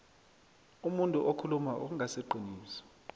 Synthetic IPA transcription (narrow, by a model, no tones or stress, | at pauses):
umuntʼuʔokʰulumaʔṵk̬uŋʱasɛǃiniːsɔ̥